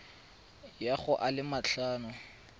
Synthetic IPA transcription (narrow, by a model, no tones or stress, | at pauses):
jaχʊʔalɪmaɬaːnʊ